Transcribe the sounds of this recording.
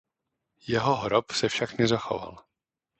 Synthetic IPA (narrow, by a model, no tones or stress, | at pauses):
jɛɦoɦɾopsɛfʃaknɛzaxo̞̰va̰l